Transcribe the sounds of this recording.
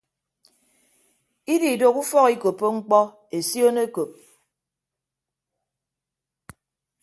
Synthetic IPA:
i˦di˨i˨do˨ku˦fɔ˦ki˦ko˨pːo˦ŋ͡m̩˦k͡pɔ˦ | e˨sjo˦ne˦ko˨p̚

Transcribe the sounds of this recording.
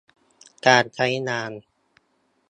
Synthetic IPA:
kaː˧nt͡ɕʰa˦˥jnaː˧n

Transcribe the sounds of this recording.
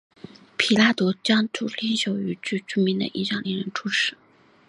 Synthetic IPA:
pʰi˨˩la˥t̪ɔ˧˥t͡ɕjɑ˥ŋʈ͡ʂu˥˩li˥nɕjo˧˥ʊy˧˩t͡ɕy˥˩ʈ͡ʂy˥˩mi˧˥d̪ə̰˨ʔḭ˥˩ɕjɑ̰˨˩ŋli˧˥ŋɻə˧˥nʈ͡ʂʰu˥ʈ͡ʂʰɻ̩˧˥˦

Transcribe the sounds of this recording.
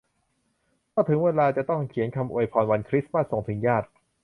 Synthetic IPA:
mɔː˥˩t̪ʰɯ˩˦ŋweː˧laː˧t͡ɕa˨˩t̪ɔ˥˩ŋkʰi˩˦nkʰa˧mʔṵ˨˩əjpʰɔː˧nwa˧nkʰɾi˦˥smaː˥˩t̪so˨˩˦ŋt̪ʰɯ˩˦ŋjaː˥˩t̪̚

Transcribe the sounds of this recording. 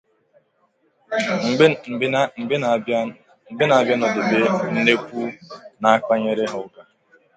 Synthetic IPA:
m̩˨be˦ | m̩˨be˦na˨a˨bja˦nɔ˨dɪ˨be˦n̩˦ne˦kʷu˦na˨a˦k͡pa˦ɲe˦ɾe˦ɦʊ˨˦ɡa˨

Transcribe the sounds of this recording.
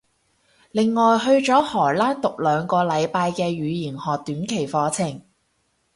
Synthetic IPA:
lɪ˨ŋːɔː˨jɦɵ˧ɥt͡ʃɔː˨˥hɔː˨˩jlaː˥nt̪ʊ˨k̚lœː˨˧ŋkɔː˧lɐ˨˧jpaː˧jkɛː˧ɥyː˨˧jiː˨˩nhɔː˨k̚t̪yː˨˥nkʰe˨˩jfɔː˨˧t͡sʰɪ˨˩ŋ

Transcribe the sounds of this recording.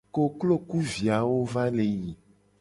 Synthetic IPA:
ko˨klo˦ku˦vi˨a˨wo˦va˦le˨ji˨

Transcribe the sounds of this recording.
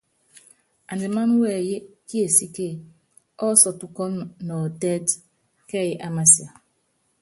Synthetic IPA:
a˨ndi˨ma˦n˦we˦˨je˦ki˦e˨si˦ke˦˨ | ɔ˦sɔ˨tu˨˦kɔ˦nɔ˨de˦d | kɛ˦˨je˦ʔa˦ma˨si˨a˨

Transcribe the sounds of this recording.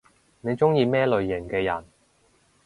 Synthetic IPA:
ne˨˧jt͡sʊ˥ŋjiː˧mɛː˥lɵ˨˧ɥːɪ˨˩ŋkɛː˧jɐ̰˨˩n

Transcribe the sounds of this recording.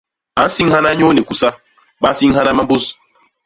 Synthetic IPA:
a˨˦n˦si˦ŋha˦na˦ɲo˦ne˨ku˨sa˦ | ɓa˦n˦si˦ŋ˦ha˦na˦ma˦mbu˦s

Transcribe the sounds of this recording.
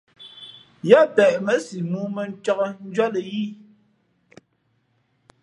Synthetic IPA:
ja˦˨pɛ˨ʔmə˦si˨muː˨˦mə˨n̩˦t͡ʃɔ˦kə˦n̩˦d͡ʒɔ˦lə˨ji˦

